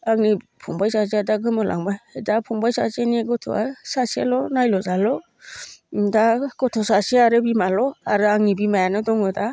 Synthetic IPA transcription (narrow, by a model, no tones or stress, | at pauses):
aŋni | pʰuŋbajsaziadaɡɯmɔlʔa̰ŋbajdapʰuŋbajsa̰zeneɡɔtʰɔ̰asasia̰lɔnajlɔzalɔ | daɡ̥ɔtʰɔsaseaɾɯbimalɔaɾɯaŋnibimajanɯdɔŋɯda